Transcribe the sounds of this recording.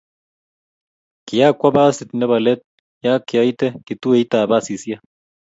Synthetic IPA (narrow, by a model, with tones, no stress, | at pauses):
ki˨ja˦kʷːwa˦baː˦si˨t̪nɛ˦βa˨le˦t̪̚ | ja˦ki˨a˦it̪e˦ki˨t̪u˦e˨i˦t̪aː˨ba˦si˨si˦a˦